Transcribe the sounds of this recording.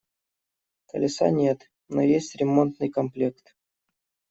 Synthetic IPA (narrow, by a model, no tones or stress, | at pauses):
kə̰lʲɪsa̰nʲet̪ | nojesʲtʲɾʲɪmo̞nt̪nɨjkɐmplʲekt̪